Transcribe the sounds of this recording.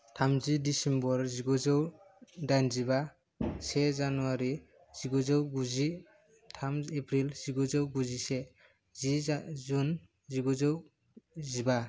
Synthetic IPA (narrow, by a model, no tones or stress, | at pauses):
tʰamzidisɛmbɔɾziɡɔzɔw | dajnziba | sɛzanuaɾi | z̥iɡɔzɔwɡuzi | tʰamepʰɾilz̥iɡɔzɔwɡuzisɛ | zizun | ziɡɔzɔw | ziba